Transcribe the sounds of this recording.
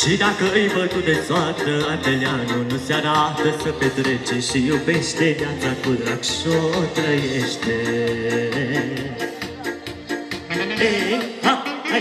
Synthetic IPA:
t͡ʃid̪akəɨjbət̪ud̪esoat̪əat̪eleanunuseaɾat̪əsəpet̪ɾet͡ʃeʃijuwbeʃt̪ed̪eat̪akud̪ɾakʃot̪ɾəjeʃt̪e

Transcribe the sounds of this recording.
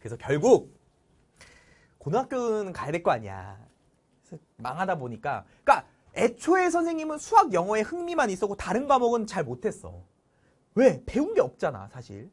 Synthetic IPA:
kɯɾe̞sʰʌkjʌɭɡuk̚ | konwak͈jonkajade̞ɭk͈oaɲia̰ | sʰʌ | maŋɦadaboɲik͈a̰ | k͈a | e̞t͡ɕʰoe̞s̬ʰʌnsʰe̞ŋɲimɯnsʰuɦaɡjʌŋʌe̞hɯŋmimanis͈ʌkotaɾɯnɡamʌɡɯnt͡ɕaɭmotʰe̞s͈ʌ̰ | we̞pe̞unɡe̞ʌp̚t͡ɕ͈ana̰sʰaɕʰḭɭ

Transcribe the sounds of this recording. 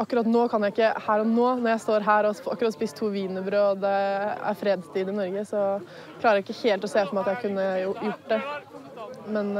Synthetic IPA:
ɑkːʉɾɑt̪noːkʰɑnjæɪkːəhæːɾɔnoːnɔɾjæɪst̪oːɾɦæːɾɔɑ̰kːɾɑt̪ːɔspiːst̪ʰuːʋiːnəbɾøɔd̪ɛæ̰ɾfɾeːd̪st̪ʰiːd̪ɪnɔɾɡəsɔ | kʰlɑːɾæɪkːəheːlt̪ɔseːfɔɾmæɑt̪jækʰʉnːəjʊjʊʈːd̪ɛ | mɛn

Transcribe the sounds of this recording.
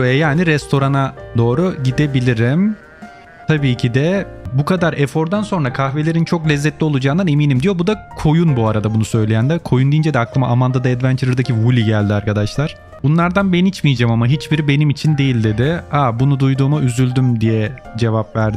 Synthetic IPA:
ɛjaːniɾɛst̪ʰo̞ɾanad̪o̞ːɾuɟid̪ebilʲiɾim | t̪ʰabiːcʰid̪ɛbukʰad̪aɾɛfo̞ɾd̪anso̞nɾakʰaxve̞lʲe̞ɾint͡ʃʰo̞klʲɛzːɛt̪lʲio̞lˠud͡ʒaːnd̪anemiːnimd̪ijo̞bud̪akʰo̞junbuaɾad̪abunusø̞jlʲejænd̪ɛkʰo̞jund̪ijind͡ʒɛd̪ɛaklˠɯma̰ʔamand̪ad̪aɛd̪vænt͡ʃ̪ʰeɾd̪acʰivulʲiɟælʲd̪iaɾkad̪aʃlˠaɾ̥ | bunlˠaɾd̪anbɛnit͡ʃmijd͡ʒamamaɦit͡ʃbiɾibe̞nimit͡ʃʰind̪e̞jilʲd̪e̞d̪ɪabunud̪ujd̪uːmaʔyzylʲd̪ymd̪ijɛd͡ʒe̞vapvæɾɾd̪ɪ

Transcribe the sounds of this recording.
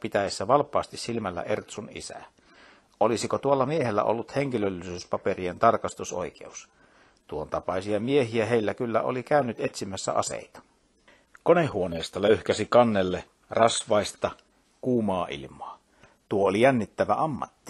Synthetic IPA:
pit̪æjesːæʋɑlpːˑɑːst̪issilmælːæ̰ʔert̪sunḭsæ̰ | ʔolisikot̪uɑlːɑmiehelːæ̰ʔolːut̪heŋkilølːisyspɑperient̪ɑrkɑst̪uso̰ikḛus | t̪uont̪ɑpɑisiɑmiehiæheilːækylːæ̰o̰likæynːyt̪et̪simːæsːæ̰ʔɑ̰sḛit̪ɑ̥ | konehːuoneːst̪ɑløyhkæsikɑnːelːe | rɑsʋɑist̪ɑ | kuːmɑːʔḭlmˑoɑ | t̪uoolijænːit̪ːæʋæɑmːɑ̰t̪ːi̥

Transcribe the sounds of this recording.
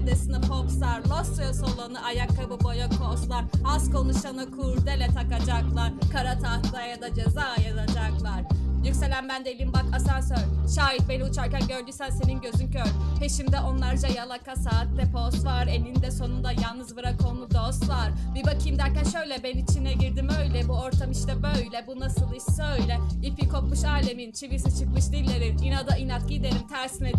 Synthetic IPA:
d̪esɯnɯpʰopsaɾlˠosˠujosolˠanɯʔajakːabɯbo̞jakʰost̪lˠaɾazko̞nuʃanɯkʰuɾd̪elʲɛt̪ʰakad͡ʒaklˠaɾkʰaɾat̪ʰahlˠajad̪ad͡ʒezaːjad̪ad͡ʒaklˠaɾ̥jycʲse̞lʲænbænd̪elʲijimbakʰasansøɾʃaːjit̪̚be̞niut͡ʃʰaɾcænɟø̞ɾd̪yjsænse̞ninɟø̞zyncøɾhe̞ʃimd̪ɛʔo̞nlˠaɾd͡ʒajalˠakasaːt̪̚d̪ɛpʰo̞st̪vaɾenind̪ɛso̞nund̪ajalˠnɯzbɯɾakʰo̞nlˠud̪o̞st̪vaɾ̥bibakʰɯjmd̪æɾcænʃø̞jlʲɛbɛnit͡ʃʰinːɛɟiɾd̪imøjlʲɛbuo̞ɾt̪ʰamiʃt̪ɛbøjlʲɛbunasɯlˠiʃsøjlʲɛipikʰo̞p̚muʃaːlʲe̞mint͡ʃʰivisit͡ʃʰɯkmɯʃd̪ilʲːe̞ɾininad̪ainat̪̚ɡid̪eɾimt̪ʰæɾsinɛ

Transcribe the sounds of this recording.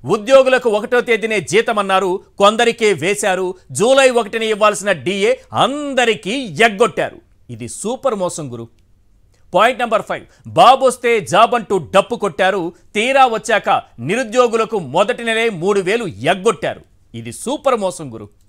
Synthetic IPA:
ud̪jo̞ːɡulɐkuɔkɐʈoːt̪eːd̪ineːd͡ʒiːt̪ɐmɐnːaːɾukond̪ɐɾikeːʋɛːsaːɾud͡ʒuːlɐjɔkɐʈiniiʋːaːlsinɐɖiːjeːɐ̰nd̪ɐɾikiːjeɡːoʈːa̰ːɾṵ | id̪isuːpɐɾmɔːsɐŋɡuɾu | paːjiɳʈnɐmbɐɾpʰɐjʋ | baːbost̪e̞ːd͡ʒaːbɐɳʈuːɖɐpːukoʈːaːɾut̪iːɾaːʋɐt͡ʃːaːkɐniɾud̪jo̞ːɡulɐkumɔd̪ɐʈinileːmuːɽuʋe̞ːlujeɡːoʈːa̰ːɾṵ | id̪isuːpɐɾmɔːsɐŋɡuɾṵ

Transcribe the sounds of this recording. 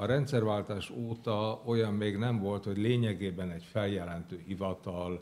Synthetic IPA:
ɒɾɛnt̪sɛrvaːlt̪aːʃoːt̪ɒo̞jɒmːeːɡnɛɱvo̞lt̪ho̞ɟleːɲɛɡeːbɛnɛcfɛljɛlɛnt̪øːhivɒt̪ɒl

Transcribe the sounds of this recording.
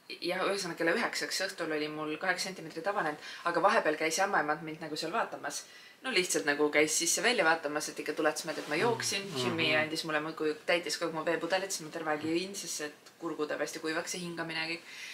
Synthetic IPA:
jɑhyhes̬ɑnːɑkelːeyɦeksɑksɤht̪ulo̞lʲimulkɑɦe̞ksenʲt̪ʲːˑime̞t̪rit̪ɑb̥ɑnend̪̥ɑɡ̥ɑvɑɦe̞b̥eɑlkæjsɑmːɑemɑnt̪mind̪nɑɡ̥useɑlvɑːt̪ːˑɑmɑs | noliht̪sɑlt̪nɑɡ̥ukæjsːisːe̞vælʲjɑvɑːt̪ːˑɑmɑse̞t̪ːikːɑt̪ulɛt̪ːsmeld̪et̪mɑjo̞ːksinʃimːiɑnʲd̪ismulːemukujt̪æjt̪ʲˑːiskoɡmuve̞ːpud̪̥elit̪simot̪eɾvɑɡiɯinsesːet̪kurɡ̥ud̪ɑpæˑsʲt̪ikujvɑkseɦiŋɡ̥ɑminekɤk

